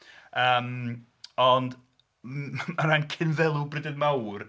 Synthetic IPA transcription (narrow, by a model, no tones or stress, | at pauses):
əːm | ɔnd | maɾankʰɪnvɛlˠubrɪdənmawr